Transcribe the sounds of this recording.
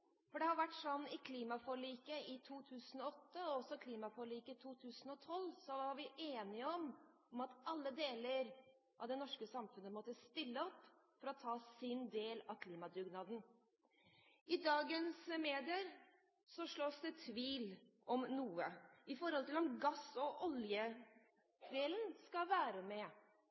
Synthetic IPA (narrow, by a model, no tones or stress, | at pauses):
fɔɖɛhɑɾʋæʈːʂɔnːɪkʰliːmɑfɔɾɭiːkəɪt̪ʰuːt̪ʰʉːsənɔɔt̪ːəɔɔsɔkʰliːmɑfɔɭiːkət̪ʰuːt̪ʰʉːsən̩ɔt̪ʰɔlːsɔʋɑɾʋɪʔeːnɪəɔm | ɔmɑt̪ɑlːəd̪eːləɾ | ʔɑ̰ʋd̪ɛnɔʂkəsɑmfʉnəmɔt̪ːəst̪ɪlːəɔpːfɔɾɔt̪ʰɑːsɪnd̪eːlɑʋkʰliːmɑd̪ɾʉɡnɑːd̪n̩ | ʔɪd̪ɑːɡənsmeːd̪ɪəɾ | sɔʂɭɔsd̪ɛt̪ʰʋiːl | ʔɔmnuːəɪfɔɾhɔlt̪ɪlɔmɡɑsɔʔɔljə | d̪eːlənskɑʋæːɾəmɛ